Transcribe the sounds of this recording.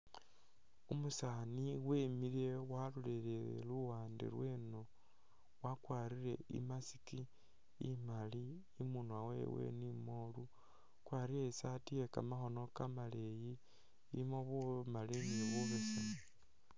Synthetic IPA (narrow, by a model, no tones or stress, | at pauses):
umusaniwemilewaluleleḛluwaːndḭɾwe̞no | wakwaɾiɾe̞ḭmasi̥ki | imaliː | munwawḛwḛnimolu | kwaɾiɾesatijeka̰maxo̞no̞kamaleji | imoβumaliniβuβesane